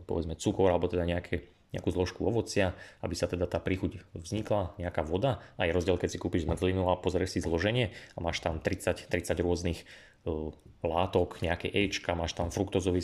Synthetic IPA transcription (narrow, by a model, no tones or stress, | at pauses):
pɔ̰ʋɛd͡zmɛt͡sukɔɾalɛbɔt̪ɛd̪aɲɛakʰɛ | ɲɛ̰a̰kuːzlɔʃkuɔʋɔt͡sɪaa̰bisat̪ɛd̪at̪aːpɾixucvzɲiklaɲɛakaʋɔd̪aajɛɾɔzɟɪɛlkɛcsikuːpiʒzmr̩zlinuapɔzɾɛʃsizlɔʒɛɲɪɛamaːʃt̪amt̪ɾit͡sact̪ɾit͡saɟɾʊɔznix | laːt̪ɔkɲɛakɛʔɛjt͡ʃkamaːʃt̪amfɾukt̪ɔzɔʋi